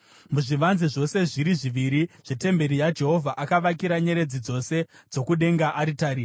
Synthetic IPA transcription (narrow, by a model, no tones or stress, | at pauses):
muʐiʋanziʐo̞se̞ʐiɾiʐiʋiɾiʐ̥ete̞mbe̞ɾijad͡ʒe̞ɦo̞vʱaʔakaʋakiɾaɲe̞ɾe̞d͡zid͡zo̞se̞d͡zo̞kuɗe̞ŋɡaʔaɾitaːɾi